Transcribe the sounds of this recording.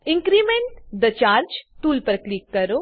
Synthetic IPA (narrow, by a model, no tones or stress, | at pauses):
iŋkɾimeɳʈd̪ɐt͡ʃaːɾd͡ʒt̪uːlpɾɐklikːɐɾu